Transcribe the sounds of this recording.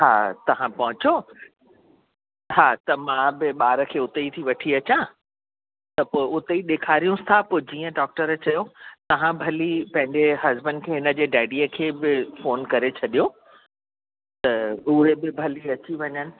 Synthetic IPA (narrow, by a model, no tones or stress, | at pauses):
ɦaːt̪ɐʋ̤ãpɐɦʊ̃t͡ɕo | ɦaːt̪ɐmãbɪɓaːɾəkʰeːʊt̪eit̪ʰiʋɐʈʰiɐt͡ɕã | t̪ɐpoːɪʊt̪eiɗeːkʰaːɾijũst̪ʰapoːd͡ʑiːə̃ɖɔːk̚ʈəɾət͡ɕɐjot̪ɐʋ̤ãbʱɐlipɐ̃ɦɪ̃ɲd͡ʑeɦɐzbə̃ɳɖkʰeːɦɪnə̆d͡ʑeːɖaːɪɖiəkʰeːbɪfoːnkɐɾet͡ɕʰɐɗijo | t̪ɐʊɦebɪbʱɐliɐt͡ɕiʋɐɲənɪ̆